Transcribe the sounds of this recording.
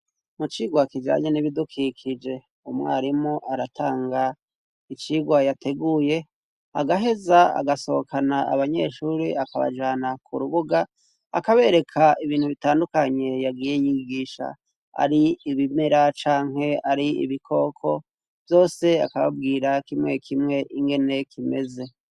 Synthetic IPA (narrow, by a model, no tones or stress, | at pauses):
mut͡ʃiːɡwakid͡ʒa̰ːɲeniβidukʰikʰid͡ʒe̞ | umŋḛaɾimoʔaɾatʰaːŋɡa | it͡ʃiːɡwajatʰe̞ɡuje̞ | a̰ɡaɦe̞zaa̰ɡaso̞okʰanaa̰βaɲe̞ʃuːɾiakaβa̰d͡ʒaːnakʰuɾuβuɡa̰ː | kaβe̞ɾe̞kʰaʔiβiːnhuβitaːndukaɲe̞jaɡiːje̞jiɡiːʃa̰ | a̰ɾiiβimeɾat͡ʃaːŋɦe̞aɾiḭβikʰo̞ːkʰo̞ | v̥jo̞ːse̞a̰kaβa̰b̚ɡiːɾakimŋe̞kʰimŋe̞ʔiŋɡe̞ne̞kʰime̞ze̞